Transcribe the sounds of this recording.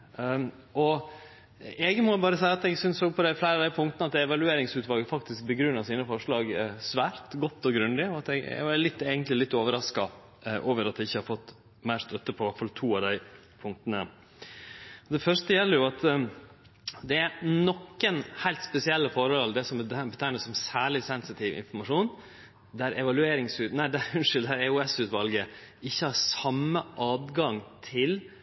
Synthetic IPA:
ɔ | ɛɡmɔbɑːɾəsæɪɑt̪ɛɡsʏnssoːɡpʰɔd̪æɪflæɪɾɑʋd̪æɪpʰʊŋt̪nəɑt̪d̪ɛɛʋɑlʉeːɾɪŋsʉːt̪ʋɑːɡəfɑkt̪ɪsk̚bəɡɾʉnːɑsiːnəfɔʂɭɑːɡsʋæːɾt̪ɡɔt̪ːɔɡɾʉnd̪ɪɔɑt̪ɛɡɛ̰ɡʋɑɾlɪt̪ːeːɡənlɪlɪt̪ːoːʋəɾɑskɑ | ʔoːʋəɾɑt̪d̪ɛɪçːəhɑɾfɔt̪ː | mæɪɾʂt̪œt̪ːəpʰɔʋæʈfɑlt̪ʰuːɑʋd̪æɪ | pʰʊŋk̚t̪ənə̰ | ɔd̪ɛfœʂtəjɛlːəɾjʊɑt̪ | d̪ɛæɾnɔkːənhæɪlt̪spɛsɪɛlːəfɔɾɔld̪ɛsɔmbət̪ʰæɪnəsɔmsæːɭɪsɛnsɪt̪ʰɪʋɪ̰nfɔɾmɑʂuːn | d̪æɾʔɛʋɑlʉeːɾɪŋsʉːt̪næɖæɾʉnʂɪld̪æɾɛʉɛsʉːt̪ʋɑlɡə | ɪçːəhɑɾsɑmːəʔɑːd̪ɡɑŋt̪ʰɪl

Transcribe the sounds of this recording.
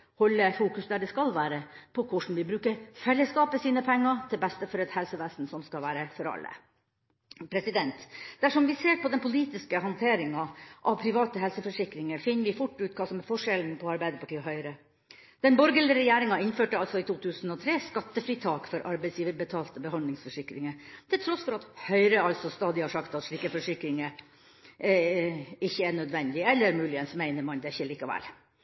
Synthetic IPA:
hɔlːəfuːkʉsd̪æɖɛskɑlʋæːɾəpʰɔkʰʊʂɳ̩ʋɪbɾʉːkəɾfɛlːəskɑːpəsiːnəpʰɛŋːɑt̪ʰɪlbɛst̪əfɔɾɛt̪hɛlsəʋæːsnsɔmskɑlʋæːɾəfɔɾɑ̰lːə̰ | pʰɾɛsɪd̪ɛnt̪d̪̥æʂɔmʋɪseːɾpɔd̪ɛnpʰʊliːt̪ɪskəɦɑnt̪ʰeːɾɪŋɑʔɑʋpʰɾɪʋɑːt̪əɦɛlsəfɔʂɪkɾɪŋəɾfɪnːəɾʋɪfʊʈːʉːt̪̚kʰɑːsɔmɛfɔʂɛln̩pʰɔɑɾbæɪd̪əpɑʈʰiːɔɦœʏɾə | d̪̥ɛnbɔɾɡələɾɛjeːɾɪŋɑɪnføːʈəɑlsɔɪt̪uːt̪ʰʉːsən̩ɔt̪ʰɾeːskɑt̪ːəfɾiːt̪ʰɑːkfɔɾʔɑɾbæɪsjiːʋəɾbət̪ʰɑːlt̪əbəhɑnd̪lɪŋsfɔʂɪkɾɪŋət̪ʰɪlt̪ʰɾɔsfɔɾɑt̪hœʏɾəɑlt̪sɔst̪ɑːd̪ɪhɑʂɑkt̪ɑt̪ʂɭiːkəfɔʂɪkɾɪŋə | ɪçːəæɳœd̪ʋɛnd̪ɪɛlːəɾmʉːlɪənsmæɪnəɾmɑnd̪ɛɪçːəliːkɑʋɛ̰l

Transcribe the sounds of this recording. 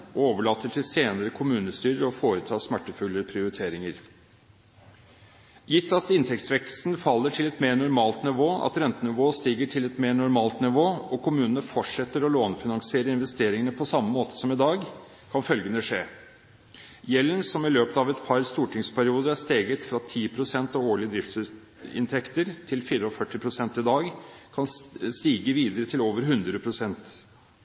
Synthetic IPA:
ɔoːʋəɭɑːt̪ʰːət̪ʰɪlseːnəɾəkʰʊmʉːnəst̪yːɾəɔfoːɾət̪ʰɑːsmæʈːəfʉlːəpʰɾɪʊɾɪt̪ʰeːɾɪŋəɾ | jɪt̪ːɑt̪ɪnt̪ʰɛk̚t̪sʋɛkst̪n̩fɑlːəʈʰɪlɛt̪meːɳʊɾmɑːlt̪nɪʋoːɑ̰t̪ɾɛnt̪ənɪʋoːst̪iːɡəʈʰɪlɛt̪meːɳʊɾmɑːlt̪nɪʋoːɔkʰʊmʉːnənəfɔʈʂɛt̪ːəɾɔloːnfɪnɑŋsɪeːɾəɪnʋɛst̪eːɾɪŋənəpʰɔsɑmːəmoːt̪ə̥sɔmɪd̪ɑːɡ | kʰɑnfœlɡənəʂeː | jɛlːənsɔmɪløːpət̪ɑʋɛt̪pʰɑɾst̪uːʈʰɪŋspʰæɾɪuːd̪əɾæst̪eːɡət̪fɾɑt̪ʰiːpʰɾʊsɛnt̪ɑoːɭɪəd̪ɾɪft̪s | ɪ̰nt̪ʰɛkt̪əɾt̪ʰɪlfɪːɾəɔfœʈːɪpʰɾʊsɛnt̪ɪd̪ɑːɡkʰɑnst̪iːɡəʋiːd̪əɾət̪ʰɪloːʋəɾɦʉnd̪ɾəpʰɾʊsɛnt̪

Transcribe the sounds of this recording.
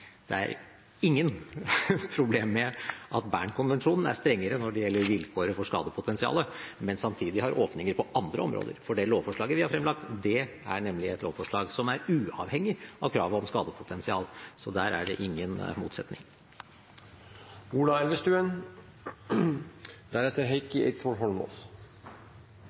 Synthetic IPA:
d̪̥ɛ̰æ̰ɾ | ɪŋːən | pʰɾʊbleːmːɛʔɑt̪bæ̰ːɳkʰʊnʋɛnʂuːnn̩æ̰ʂt̪ɾɛŋːəɾənɔɖɛjɛlːəɾʋɪlkʰoːɾəfɔʂkɑ̰ːd̪əpʰʊt̪ʰɛnsɪɑ̰ːləmɛnsɑmt̪ʰiːd̪ɪhɑɾʔoːpnɪŋəɾpʰɔʔɑnd̪ɾəɔmɾo̰ːd̪ə̰ɾfɔɖɛloːʋfɔʂɭɑːɡəʋɪhɑɾfɾɛmlɑk̚t̪d̪ɛ | æɳɛmlɪɛt̪loːʋfɔʂɭɑːɡsɔmæɾʉːɑ̰ʋhɛŋːɪɑʋkʰɾɑːʋəɔmskɑːd̪əpʰʊt̪ʰɛnsɪɑ̰ːlsɔd̪æːɾæ̰ɖɛʔɪŋːənmṵːt̪sɛt̪nɪ̰ŋ | uːlɑɛld̪əʂt̪ʉːən | d̪̥æɾɛt̪ːəɾɦeɪkɪḛɪt̪sɔlɦɔlmɔ̰s

